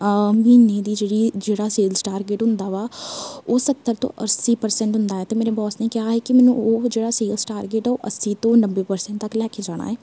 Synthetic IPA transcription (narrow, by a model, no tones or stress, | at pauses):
miːneːd̪iːd͡ʒeːɽiːd͡ʒeːɽaːseːlsʈaːɾɡeːʈɦʊnd̪aːʋaːoːsət̪ːəɾt̪õ̰ʔəsiːpəɾsɛ̃ɳʈɦʊnd̪aːɦɛːt̪eːmeːɾebɔːsniːkɪɦaːɦɛːkimɛːnṵ̃ːoːd͡ʒeːɽaːseːlsʈaːɾɡeːʈːoːʔəsiːt̪õːnəbeːpəɾsɛ̃ɳʈ̚t̪əklɛːkʰed͡ʒaːɽ̃a̰ːɦɛː